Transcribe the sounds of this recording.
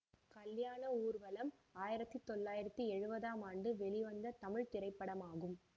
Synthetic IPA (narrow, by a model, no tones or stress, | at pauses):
kɐljaːnɐuːɾʋɐlɐmaːjɪɾɐt̪ːit̪ːɔlːaːjɪɾɐt̪ːiɛɻɯbɐðaːmaːɳɖɯʋɛɭɪʋɐnd̪ɐt̪ɐmɪɻt̪ɪɾɐɪpːɐɽɐmaːɣɯm